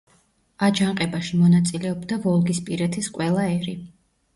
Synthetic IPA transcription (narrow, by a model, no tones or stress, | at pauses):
ad͡ʒaɴqʼɛbaʃimɔnat̪sʼilɛɔbd̪avɔlˠɡispʼiɾɛt̪ʰisqʼwɛlˠaɛɾi